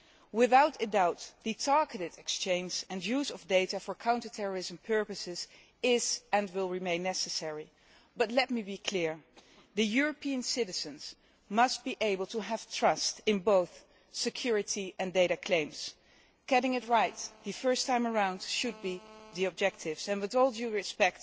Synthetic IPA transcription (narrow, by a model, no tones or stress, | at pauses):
wɪðaʊtɨdaʊt̪ðɨtʰɑɹɡɨɾɨɾɛkst͡ʃẽɪ̃nd͡ʒɨ̃njuzʌvdeɪɾɨfə˞kʰãʊ̃ntətʰɛɹə˞ɪzə̃m̩pʰɜ˞pɨsɪz | ɪzɨ̃nwɪlˠɹimẽɪ̃nːɛsɨsɛɹi | b̥ʌtˡlɛt̚mibikʰlɪɹðɨjʊɹɨpiɨ̃nsɪɾɨz̥ɨ̃nz̥ | mʌst̚b̥iʔeɪbəl̩ˠtʰəəv̥tʰɹ̥ʌstɨ̃nboʊθ | sɨkʰj̥ʊɹɨɾiʔɨ̃ndeɪɾɨkʰl̥ẽɪ̃mz̥ | kæɾɪ̃ŋɨt̚ɹaɪt̪̚ðɨfɜ˞stʰãɪ̃mə˞ãʊ̃ndʃɨd̚biðiɨb̚d͡ʒɛk̚tʰɪvz̥ɨ̃nwɨðɔlˠuɹɨspɛk̚t